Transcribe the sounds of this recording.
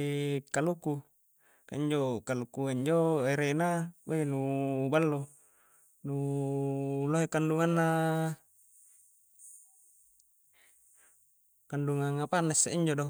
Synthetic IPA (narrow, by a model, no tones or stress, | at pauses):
kaluku | ka̰iɲd͡ʒokalukuiɲd͡ʒoeɾenabainubalːo | nu | loɦekanduŋanːa | kanduŋaŋapanasːeiɲd͡ʒodo